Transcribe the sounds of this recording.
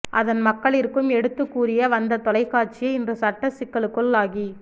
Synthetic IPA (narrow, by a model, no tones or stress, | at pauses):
ʔɐðɐnmɐkːɐɭɪɾkːɯmɛɽɯt̪ːɯkːuːrɪjɐʋɐnd̪ɐt̪ɔlɐɪkːaːʈt͡ʃɪjɐɪndrɯsɐʈːɐsɪkːɐɭɯkːɯɭːaːɣi